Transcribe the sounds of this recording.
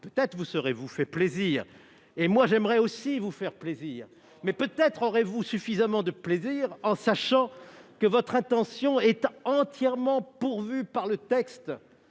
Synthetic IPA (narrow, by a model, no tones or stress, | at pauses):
pøt̪ɛt̪χəvusəʁevufɛpleziːʁ | emwaʒɛmʁɛosivufɛʁpleziːʁ | mɛpøt̪ɛt̪χɔʁevusyfizamɑ̃d̪əpleziːʁɑ̃saʃɑ̃kəvɔt̪χɛ̃t̪ɑ̃sjɔ̃ɛt̪ɑ̃t̪jɛʁmɑ̃puʁvypaʁlət̪ɛkst̪